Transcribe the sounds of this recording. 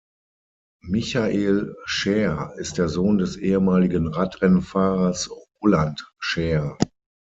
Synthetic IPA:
mɪçaʔeːlʃɛːɐɪst̚d̥eːɐzoːndɛsʔeːəmaːlɪɡənʁatʁɛnfaːʁɐsʁolantʃɛː

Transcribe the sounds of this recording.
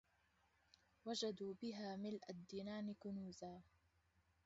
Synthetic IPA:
wad͡ʒad̪uːbɪɦaːmɪlʔad̪ːiːnaːnɪkʊnuːzaː

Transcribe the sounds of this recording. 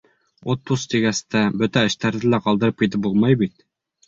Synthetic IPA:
ot̪̚pʰust̪eɡʲɛsɪ̥t̪ɛbɵt̪ʰɛɪʃt̪ʰæɾd̪ɪlæqʰɑlˠd̪əɾɨp̚kʲet̪ɪp̚bolˠmɑjbit̪̚

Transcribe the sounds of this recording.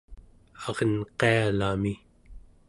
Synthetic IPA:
ɑʁʌnqealami

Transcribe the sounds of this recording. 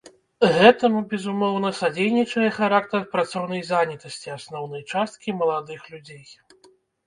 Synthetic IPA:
ɣɛt̪ɐmubʲɛzumɔwn̪ɐsad͡zʲejnʲit͡ʂɐjɛxaɾak̚t̪ɐrpɾat̪sɔwnɐjzanʲit̪ɐsʲt͡sʲiasnɔwn̪ɐjt͡ʂast̪̚kʲimɐlˠad̪ɨxlʲud͡zʲej

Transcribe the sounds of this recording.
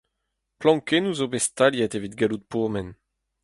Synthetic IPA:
plɑ̃ŋkenuzobest̪aljɛt̪evid̪ɡɛlut̪̚poʁmɛn

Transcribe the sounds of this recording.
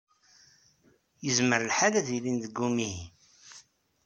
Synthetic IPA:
jəzməɾlħalæðilinðəɡːumi

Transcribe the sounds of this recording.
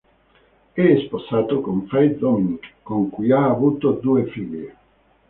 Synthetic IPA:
ɛːsposaːt̪okoɱfajd̪omiŋɡkoŋkujaːvuːt̪od̪uːefiʎːe

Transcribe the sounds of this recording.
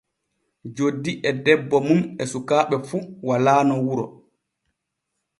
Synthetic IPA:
d͡ʒodːiʔɛdɛbːɔmumɛsukaːɓɛfuwalaːnɔwuɾɔ̰

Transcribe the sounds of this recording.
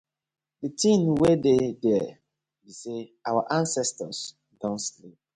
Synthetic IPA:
ditĩnwededɛ | biseawaʔãnsɛstə̰s | dɔ̃nslip̚

